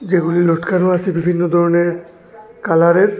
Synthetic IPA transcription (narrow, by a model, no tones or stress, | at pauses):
d͡ʑeɡuliloʈkʰanoasibibʱinːod̪ʱɔɹɔneɹ | kalaɾeɹ